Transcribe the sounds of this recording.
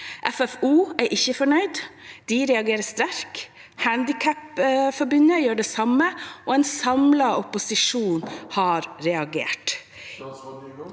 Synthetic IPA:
ʔɛfɛfuːæɾʔɪçːəfɔɳœʏd̪d̪̥iɾɛɑɡeːɾəst̪æɾk | hænd̪ɪkʰæpfɔɾbʏnəjøːɖeːsɑmːəʔoːɛnsɑmlɑɔpʊsɪʂuːnhɑɾɾɛɑɡḛːʈ

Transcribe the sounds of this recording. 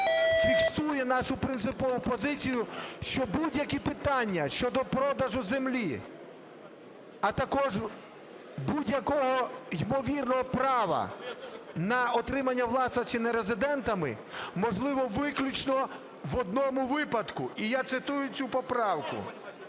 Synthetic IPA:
fʲikst̪ujɛnɑʃʊpɾɪnt̪sɪpɔʋʊpɔzɪt͡sʲijʊʃt͡ʃɔbudʲjɐkʲipɪt̪ɑnʲːɐʃt͡ʃɔd̪ɔpɾɔd̪ɐʒʊzemlʲi | ɐt̪ɐkɔʒ | budʲjɐkɔɦɔjmɔʋʲirnɔɦɔpɾɑʋɐ̰ | nɐɔt̪ɾɪmɐnʲːɐwlˠɑsɐt͡ʃɪnɐɾezɪd̪ɛnt̪ɐmɪ̰ | mɔʒlˠɪʋɔʋɪklʲut͡ʃnɔ | ʋɔd̪nɔmʊʋɪpɐd̪kʊʔijat̪sɪt̪ujʊt͡sʲupɔpɾɑwkʊ̰

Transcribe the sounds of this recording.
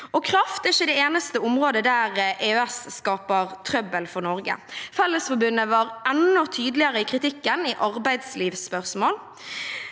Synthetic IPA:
ɔkʰɾɑft̪ɛɪçːəd̪eːeːnəst̪əʊmʁoːd̪əd̪æːʁʔeːøɛsːkɑːpəʁt̪ʰɾœbəlfɔʁnɔɾɡə̰fɛlːəsfɔbʉnːəʋɑːɾʔɛnːɔt̪ʰyːd̪lɪəɾəikʰɾɪt̪ɪkːəniʔɑʁbæɪd̪sliːʋspœʁsmoːl

